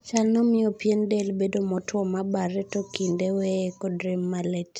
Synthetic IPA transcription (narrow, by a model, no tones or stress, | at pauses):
t͡ʃalnɔmɪɔpjendelbedomɔtʰwɔmabaɾɛtɔkindewekɔdɾemːalet